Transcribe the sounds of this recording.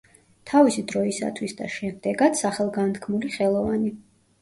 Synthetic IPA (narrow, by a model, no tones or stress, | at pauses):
t̪ʰavisid̪ɾɔisa̰t̪ʰwisd̪aʃɛmd̪ɛɡad̪saχɛlˠɡant̪ʰkʰmuliχɛlˠɔvani